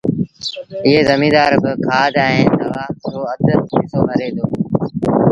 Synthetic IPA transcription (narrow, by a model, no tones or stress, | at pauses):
ɪɦeːzəmĩːd̪aːɾbɪkʰaːd̪̃ɛ̃ːnɐʋaːoːəd̪ət̪kɪsoːɦəɾeːd̪ʰoː